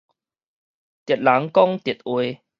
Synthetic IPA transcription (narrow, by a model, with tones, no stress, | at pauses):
t̪jt̪̚la˨˦ŋkɔ˦˧ŋt̪ji˨˩t̪̚ʔwe˧